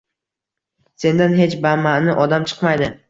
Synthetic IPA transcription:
se̞nd̪anɦe̞t͡ʃbamanɪʔɒd̪amt͡ʃʰɨ̥qmajd̪ɪ

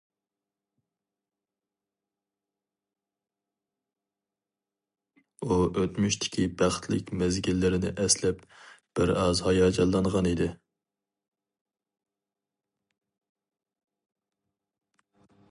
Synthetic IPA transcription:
uʔøt̪myʃt̪ʰɪ̥kʲibæχt̪ʰlɪkʲmɛzɡʲilːɪɾɪnɪʔɛslɛp̚b̥ɪɾɑzhɑjɑːd͡ʒɑlˠːɑɴʁɑnid̪ɪ

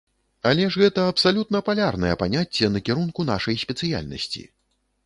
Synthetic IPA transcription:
alʲɛʐɣɛt̪ɐɐpsalʲut̪nɐpalʲarnɐjɛpanʲat͡sʲːɛnɐkʲɛɾunkun̪aʂɐjsʲpʲɛt̪sɨja̰lʲnɐ̰sʲt͡sʲḭ

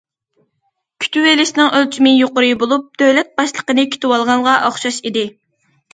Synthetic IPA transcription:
kʲʰy̥t̪ʰywelɪʃɪnɪŋølt͡ʃʰimɪjoqʊɾɨbolˠup̚d̪̥øwlɛt̪̚bɑʃlˠəqənɨkʲʰi̥t̪ɪwɑlˠʁɑɴʁɑʔɑχʃɑʃid̪ɪ

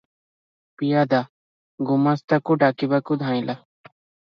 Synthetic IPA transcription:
pijaːd̪aː | ɡʊmast̪akuɖaːkibakud̪ʱãːĩla

